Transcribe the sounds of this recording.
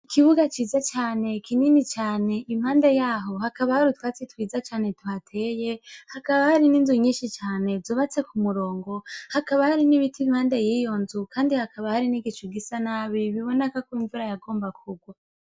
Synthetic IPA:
ikiβuɡat͡ʃiːzat͡ʃaːne̞kʰininit͡ʃaːne̞ʔim̥haːnde̞jaːɦo̞hakaβahaɾitwaːt͡setwiːzat͡ʃaːne̞twhatʰe̞je̞hakaβahaɾininzuɲiːʃit͡ʃaːne̞zuːβat͡se̞kumuɾo̞ːŋɡo̞hakaβahaɾiniβitim̥haːndejiːjo̞nzukaːndihakʰaβahaɾiniɡit͡ʃuɡisanaːβiβiβo̞nekakiːɱvuɾajaɡo̞ːmbakʰuɡwa

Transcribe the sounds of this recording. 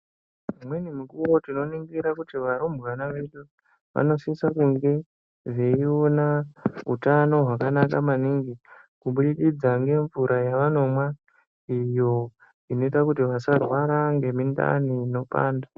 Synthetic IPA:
mwenimikuwo̞tino̞niŋɡiɾakutiʋaɾomwanaʋe̞ɗu | ʋa̰no̞sisakuŋɡe̞ | ʐeionaɦutano̞ɦwakanakamaniːŋɡi | kuɓuɗiɗid͡zaŋɡe̞ɱvuɾʔajaʋano̞mwa | ijo̞ | ino̞itakutiʋasarwaɾaŋɡe̞minda̰niːno̞pa̰ːnda

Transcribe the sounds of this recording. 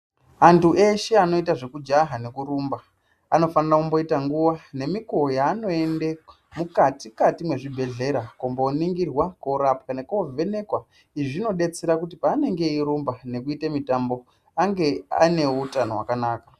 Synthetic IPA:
antuʔe̞ʃe̞ano̞itaʐe̞kud͡ʒaɦane̞kuɾuːmba | ano̞fanirakumbo̞itaŋɡuʋane̞miko̞ːjaːno̞e̞nde | mukatikatimwe̞ʐibʱe̞ɮe̞ɾakombooniŋɡirwakoɾap̚kane̞kuve̞ne̞kwa | iʐino̞ɗe̞t͡se̞ɾakutipaːne̞ŋɡe̞iɾumbane̞kuitemitambo̞ | aŋɡe̞a̰ne̞utanowa̰kanaːka

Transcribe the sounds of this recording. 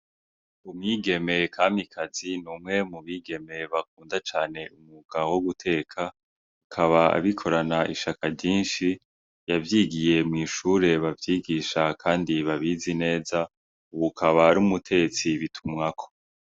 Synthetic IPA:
umŋiːɡe̞me̞kʰaːmikʰazinuːmŋe̞muβiːɡe̞me̞βak̚uːndat͡ʃaːne̞ʔumuɡ̥awoɡutʰe̞ːkʰa | ukʰaβaa̰βikʰo̞ɾanaʔiʃakavɟiːnʃi | javjiːɡije̞mŋiːʃuːɾe̞βavjiːɡiːʃakʰaːndiβaβizine̞ːza | uβukʰaβaɾumutʰe̞ɡet͡siβitʰumŋakʰo̥

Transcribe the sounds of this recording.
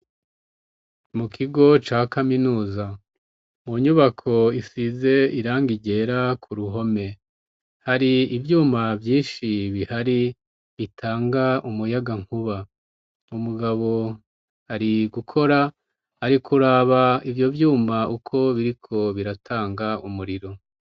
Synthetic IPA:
mukʰiɡo̞t͡ʃaːkaminuːza | muɲuβakʰo̞isize̞iɾaːŋɡiɟe̞ːɾakʰuɾuɦo̞me̞ | haɾiivjuːmavjiːʃiβihaɾi | βitʰaːŋɡaʔumujaɡaŋ̥huβa | umuɡaβo̞ | haɾiɡukʰo̞ɾa | haɾikʰuɾaβaivjo̞vjuːmaukʰo̞βiɾikʰo̞βiɾatʰaːŋɡaumuɾiɾo̞

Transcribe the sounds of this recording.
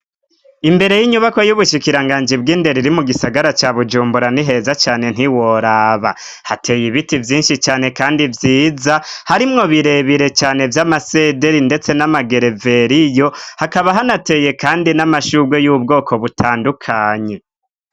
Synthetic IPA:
imbe̞ɾe̞jiɲuβako̞juβuʃikiɾaŋɡaːnd͡ʒibɡiːnde̞ɾiɾimuɡisaɡaɾat͡ʃaβud͡ʒuːmbuɾaniɦe̞zat͡ʃaːne̞n̥hiwo̞ɾaːβa̰ | hatʰe̞ːjiβitivjiːnʃit͡ʃaːne̞kaːndivjiːzahaɾimŋo̞βiɾe̞βiɾe̞t͡ʃaːne̞vjamase̞de̞ɾinde̞t͡se̞namaɡe̞ɾe̞ve̞ɾijo̞hakaβaɦanate̞ːje̞kaːndinamaʃuɡwe̞jubɡo̞ːkʰo̞βutʰaːndukʰaːɲe̞

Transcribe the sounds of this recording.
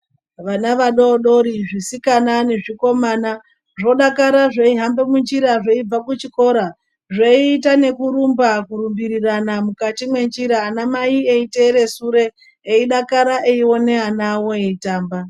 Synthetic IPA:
ʋanaʋaɗoɗo̞ɾiʐisikanane̞ʐiko̞maːna | ʐo̞ɗakaɾaʐeiɦambemund͡ʒiɾaʐeib͡vakut͡ʃiko̞ɾa | ʐeiːtane̞kuɾumbakuɾumbiɾiranamukatimwe̞nd͡ʒiɾaːnamaieiteɾe̞suɾe̞ː | iɗakaɾaʔeio̞ne̞ɦanawoeitaːmba

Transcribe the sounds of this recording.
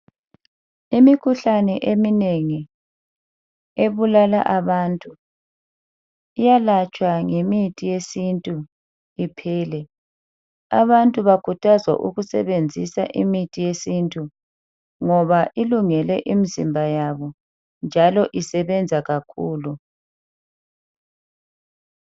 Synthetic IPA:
imikʰuɬanɛʔemineŋi | eβulala̰ʔaβantʼu | ijalat͡ʃʼwaŋemitʼijesintʼu | ipʰɛːlɛ | a̰βantʼuβakʰutʰazwa̰ʔṵɣusɛβend͡zʱisa̰ʔimitʼijesintʼu | ŋɔβaʔiluŋɛlɛ̰ʔimizḭmbʱajaβɔ | nd͡ʒʱalɔʔisɛβɛnd͡zʱaɣakʰuːlu

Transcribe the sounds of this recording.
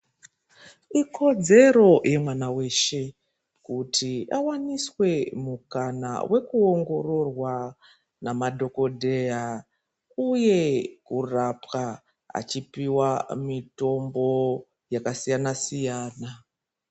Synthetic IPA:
ikʰo̞d͡ze̞ɾo̞jʔemwanawe̞ʃe̞ | kutʰiawaniswe̞mukana̰wʔe̞kuoŋɡo̞ro̞rwa | namadʱo̞ko̞dʱe̞a | uje̞kurapwa | a̰t͡ʃipiwamito̞mbo̞ | jakasijanasijaːna

